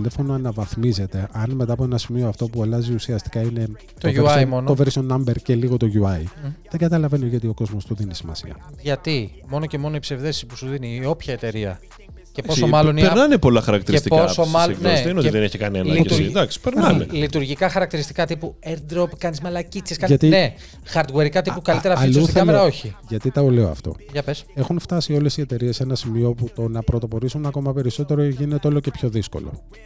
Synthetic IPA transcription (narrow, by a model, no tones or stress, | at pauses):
lefonoɐnɐvɐθmize̞t̪e̞ʔɐnme̞t̪ɐːpoe̞nɐsimioɐft̪o̞puɐlɐziusiɐst̪i̥kɐine̞ | t̪oʝeusɐimo̞nooveɾist̪onɐmbeɾceliɣo̞t̪o̞ʝuɐiðe̞ɡɐt̪ɐlɐve̞nioʝɐot̪io̞ko̞zmost̪oðinisimɐ̰sḭɐ̰ | ʝɐt̪imo̞noce̞mo̞noipse̞vðe̞sisipu̥suðiniːo̞pçɐet̪e̞ɾiɐ | ce̞po̞omɐlo̞nipenɐnepo̞lɐxɐɾɐk̚t̪iɾet̪iposomɐneseineot̪ðeneçikɐnenɐid̪ɐksi̥peɾnɐmelit̪uɾʝikɐxɐɾɐk̚t̪iɾist̪i̥kɐt̪ipueɾd̪ɾopkɐnizmɐlɐcit͡seskɐʝɐt̪ine | xɐɾd̪ɣweɾikɐt̪ipukɐlit̪eɾɐflsut̪iθɐleɾɐoçiʝɐt̪it̪ɐoleoɐ̰ft̪o̞̰ʝɐpese̞xunft̪ɐsio̞le̞sie̞t̪e̞ɾie̞senɐsimio̞put̪o̞nɐpɾot̪o̞po̞ɾisunɐko̞mɐpe̞ɾiso̞t̪e̞ɾoʝinet̪eo̞lo̞ce̞pço̞ðisko̞̰lo̞̰